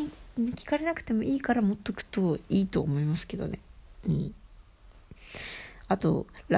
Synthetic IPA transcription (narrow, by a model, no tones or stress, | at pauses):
iɯ̟̃kʲi̥kaɾe̞nakɯ̟̥t̪e̞mo̞ʔiːkaɾamo̞t̪ːokɯ̟̥t̪o̞iːt̪o̞ːmo̞imasɨ̥ke̞d̪o̞̰ne̞̰ɯ̟̃ɴ | at̪o̞̰ɾa